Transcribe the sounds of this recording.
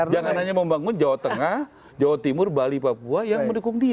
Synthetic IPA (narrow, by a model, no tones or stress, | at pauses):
d͡ʒaŋanɦaɲaməmbaŋʊnd͡ʒawat̪əŋah | d͡ʒawat̪imʊrbalipapuajaŋməndukʊŋdia